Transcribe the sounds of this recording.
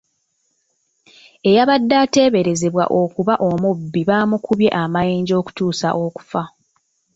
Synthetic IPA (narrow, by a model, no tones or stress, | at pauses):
e̞jaβadːaːte̞ːβe̞ɾe̞ze̞βwa̰ʔo̞kuβaʔo̞mubːiβaːmukʰuβje̞̰ʔamajeːɲɟo̞ːku̥tuːsa̰ʔo̞ku̥fa